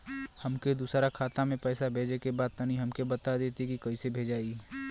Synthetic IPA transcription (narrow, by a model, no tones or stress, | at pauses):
hɐmked̪usɾakʰaːt̪amẽpɛːsabʱeːd͡ʒekebaːd̪̚t̪ənĩɦɐmkebɐt̪ad̪eːt̪ekikɐisebʱeːd͡ʒaːiɡ